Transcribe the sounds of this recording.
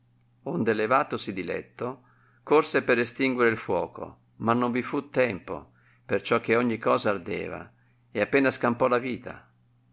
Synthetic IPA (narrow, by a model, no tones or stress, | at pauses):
ond̪elevaːt̪osid̪ilɛ̰t̪ːo | korsepeɾest̪iŋɡweɾeilfwɔːko̰ | manːoɱvifut̪ːɛmpo̰ | pert͡ʃɔk̟ːeɔɲːikːɔːzaːrd̪ɛ̰ːva̰ | eapːɛːnaskampɔlaviːt̪a̰